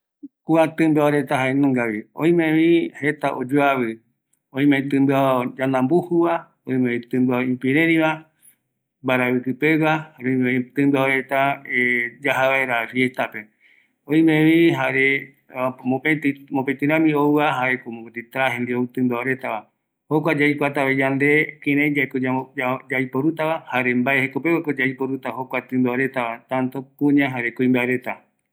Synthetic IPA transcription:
kuat̪ɨ̃mbeaɾet̪aɦaenõŋɡaβiõ̰ĩmẽβihet̪aʔod͡ʒuaβɨ | õĩmẽt̪ɨ̃mbɨad͡ʒãnãmbuhuβa | oĩmẽĩt̪ɨ̃mbaĩmpiɾẽɾĩβa | mbaɾaβɨkɨpewahaɾeomet̪ɨ̃mbɨoɾet̪aed͡ʒaɦaβeɾafjest̪ape | õĩmẽʋiɦaɾe | opet̪imopẽt̪ɨɾ̃ãmĩowaɦaɾekomõkot̪it̪ɾaɦẽnd̪iot̪ɨ̃mbaaɾe̞t̪aβa | hokʷad͡ʒajkʷat̪aβed͡ʒand̪e̞kẽɾãj̃d͡ʒaekoad͡ʒajpoɾut̪aβahaɾe̞mbaehekope̞wakod͡ʒaipoɾut̪ahokʷat̪ɨ̃mbaoɾe̞t̪aβat̪ãnt̪opũɲãɦaɾe̞koĩmbaeɾe̞t̪a

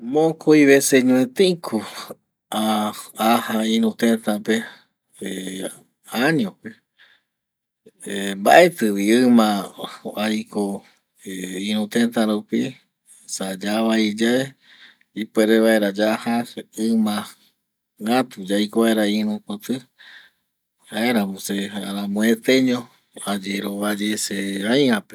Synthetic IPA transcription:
mõkʰoiβeseɲũet̪eĩkʰu | aahaĩɾũt̪ẽnt̪ãpe | e | aɲõpe | mba̰ʔet̪ɨwiɨmãajko | ĩɾũt̪ẽnt̪ãɾupi | sad͡ʒaβaid͡ʒae | ipeɾeβae̞ɾad͡ʒaʔhaɨmã | ŋat̪ud͡ʒajkoβaeɾaĩɾũpot̪ɨ | haeɾamũseaɾãmõet̪eɲõ | ad͡ʒeɾoβad͡ʒeseaj̃ãpe

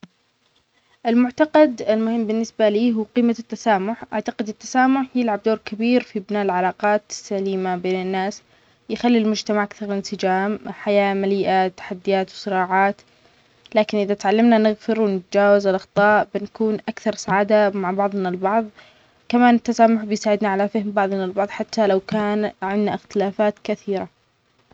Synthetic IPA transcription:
ʔɪlmʊʕt̪aqɑd̪ɪlmʊhɪmːbɪnːɪsbaliːɦuːqiːmat̪ːasaːmʊħʔaʕt̪aqɪd̪ɪt̪ːḁsaːmʊħjɪlʕab̚d̪oːɾkabiːɾfibnaːʔɪlʕalɑːqɑːt̪sːaliːmabeːnɪnːaːs | jɪxalːilmʊd͡ʒt̪amaʕʔakθɑɾˤlɪnsɪd͡ʒaːmħajaːmaliːʔat̪ːḁħad̪ːɪjaːt̪wsˤɨɾɑːʕɑːt̪ | laːkɪnʔɪðat̪ʕalːamnanɪɣfɪɾwɪnɪt̪ad͡ʒaːwazɪlʔɑxt̪ˤɑːʔbɪnkuːnʔakθɑɾˤsaʕaːd̪amaʕbɑʕðˤnalbɑʕðˤ | kamaːnɪt̪ːasaːmʊħbɪjsaːʕɪd̪naʕalafɪhɪmbɑʕðˤnalbɑʕðˤħat̪ːalawkaːnʕɪnːaɪxt̪ɪlaːfaːt̪kaθiːɾa

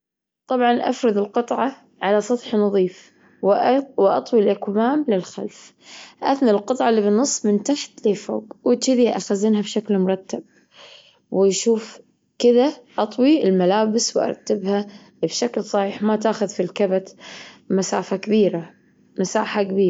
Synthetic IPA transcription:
t̪ˤɑbʕɑnʔa̰fɾɨðɪlqɨt̪ˤʕɑ | ʕalasˤɑt̪ħnɑðˤiːf | wwʔɑt̪ˤwilʔɪkmaːmlɪlxa̰lf | ʔaθnalqɨt̪ˤʕɑlːiːbɪnːɨsˤːmɪnt̪aħt̪lefo̰ːɡwɪt̪t͡ʃɪd̪iʔa̰xazinhabʃaklmʊɾˤɑt̪ːab̚ | wɪʃuːf | kɪðaʔɑt̪ˤwiɪlmalaːbɪswʔɑ̰ɾˤɑt̪ːabha | bʃaklsˤɑħiːħmat̪aːxʊðfilkabat̪masaːfakabiːɾa | masaːħakabiːɾ

